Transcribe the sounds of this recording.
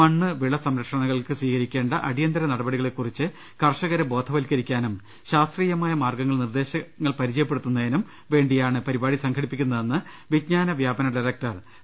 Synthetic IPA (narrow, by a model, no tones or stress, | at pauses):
mɐɳːɨʋiɭɐsɐmɾɐkʂɐɳɐɣɐɭkɨsʋiːkɐɾikʲːe̞ːɳɖɐʔɐɽijɐnd̪ɐɾɐnɐɽɐbɐɽiɣɐɭe̞kːurit͡ɕːɨ | kɐrʂɐɣɐɾɐbo̞ːd̪ʱʰɐʋɐlkːɐɾikʲːaːnum | ɕaːst̪riːjɐmaːjɐmaːrɡɐŋːɐɭnird̪e̞ːɕɐŋːɐɭpɐɾid͡ʑɐjɐpːeɽut̪ːunːɐinum | ʋe̞ːɳɖijaːɳɨpɐɾibaːɽisɐŋkʰɐɽipːikʲːunːɐðenːɨ | ʋid̪ɲaːnɐʋjaːbɐnɐɖɐjrɐk̚ʈɐr